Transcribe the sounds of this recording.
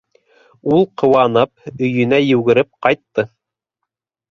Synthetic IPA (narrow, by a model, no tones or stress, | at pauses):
ulˠqʰŏwɑnɤp̚ɵ̆jɵ̆næjʉɡɘ̆ɾɘp̚qɑjt̪ːɤ